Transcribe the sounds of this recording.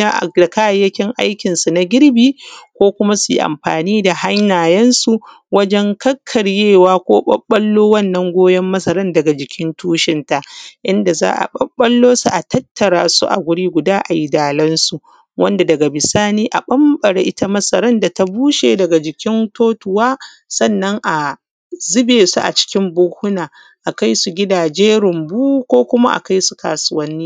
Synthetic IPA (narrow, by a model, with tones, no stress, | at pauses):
a˦ʔda˨kaː˦˨˦jɐ˦kʲɪ˦ŋʔa˦jkʲɪ˨nsu˨na˨ɡʲɪ˦ɽbiː˦kʷoː˦kʷʊ˦ma˦su˨jḭ˦ʔa̰˨mɸaː˨niː˦da˨ha˦ɲjaː˨jɛ˦nsu˨ | wɐ˦d͡ʒɛ˦ŋkɐ˦kʰːɐ˨rjeː˦˨waː˦kʷoː˦ɓɐ̰˦ɓːɐ˦lːoː˦wɐ˦˨nːɐ˨˦ŋɡʷoː˦jɛ˦mːɐ˦sɐ˨ɾɐ˦ndɐ˨ɡa˨d͡ʒɪ˨kʲʰɪ˦ntuː˦ʃɪ˨nta˨ʔʔɪ˦nda˨za̰ː˦ʔa̰˨ɓɐ˦ɓːɐ˦lːoː˦su˨ʔa˨tɐ˦tːɐ˨ɽaː˨sṵ˦ʔa̰˨ɡʷʊ˦ɽiː˦ɡʷʊ˨daː˦ʔa˨ji˦daː˨lɐ˦nsu˨ | wʔɐ˦nda˨dɐ˨ɡa˨bɪ˨saː˦niː˦ʔa˨ɓɐ˦mbɐ˨ɽḛ˦ʔɪ˦ta˦mɐ˦sɐ˨ɾɐ˦nda˨ta˦buː˦ʃeː˨dɐ˨ɡa˨d͡ʒɪ˨kʲɪ˦ntoː˦tʊ˨waː˦ | sɐ˦˨nːɐ˦ŋʔa˨ | zɪ˦beː˨su˦ʔa̰˨t͡ʃɪ̥˦kʲɪ˦mbʊː˦hʊ˦naː˨ | ʔa˨ka˦jsu˨ɡʲɪ˦daː˨d͡ʒeː˦ɾʊ˨mbuː˦kʷoː˦kʷʊ˦ma˦ʔa̰˨ka˦jsu˨ka̰ː˨sʊ˨wɐ˦nːiː˦